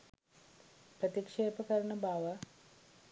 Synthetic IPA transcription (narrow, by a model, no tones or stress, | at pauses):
pɾət̪ikʂeːpəkəɾənəbaːʋə